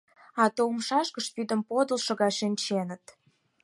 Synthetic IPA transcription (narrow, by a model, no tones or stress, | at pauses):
ɑt̪omʃɑʃkəʃpyd̪ə̆mpod̪əlʃə̆ɣɑʃinʲt͡ɕenə̆t̪